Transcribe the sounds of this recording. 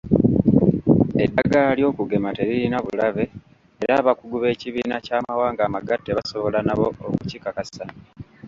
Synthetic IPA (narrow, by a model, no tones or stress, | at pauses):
edaɡaljo̞ːkuɡe̞mate̞ɾiɾinaβulaβe̞ː | ɾaːβakuɡuβe̞ːciβiːnacaːmawaːŋɡaːmaɡatːeβaso̞βolanaβo̞okuciːkakasa